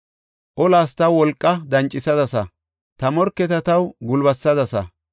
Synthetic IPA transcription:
ʔɔlaːst̪ɐwːɔlkʼːɐd̪ɐnt͡ʃʼːɪsɐd̪ɐsɐ | t̪ɐmɔɾkːɛt̪ɐt̪ɐwɡʊlbɐsːɐd̪ɐsɐ̰

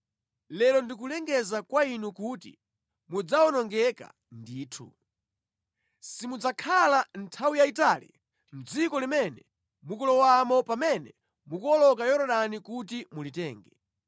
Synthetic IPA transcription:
lɛlɔndik̬ulɛŋɡɛzakwainukutḭ | mud͡zawɔnɔŋɡɛka̰ | ndiːtʰṵ | simud͡zakʰalantʰawijaitaːlḭ | m̩d͡zikɔlimɛnɛ | mukɔlɔwamɔpamɛnɛ | mukɔlɔkajɔɾɔɗanikut̬imulitɛːŋɡɛ

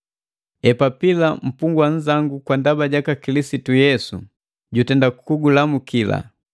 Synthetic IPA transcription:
ɛpapilam̩puŋɡwaɲ̩zaŋɡukwandabaɟakakilisitujɛsṵ | ɟutɛndakukuɡulamukila̰

